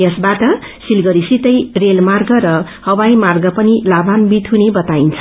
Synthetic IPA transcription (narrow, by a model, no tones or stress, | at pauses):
jʌsbaʈʌ | silɡʌɾisit̪ʌjrelmarɡʌɾʌ | hʌwajmarɡʌpʌnilabanbit̪ɦunebʌt̪aint͡sʰʌ̥